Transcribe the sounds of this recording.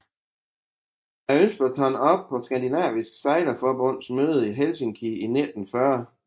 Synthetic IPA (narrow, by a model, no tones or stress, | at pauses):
æønsb̥ɒt͡sʰɒnɒ̽b̥̚pʰɒ̽sɡ̥ænd̥inɛ̰ːʋisɡ̥sɑ̈ɪlɐfɒb̥ɔ̽n̰smøːð̞ˠiɦelsiŋkʰiined̥n̩fɶɐ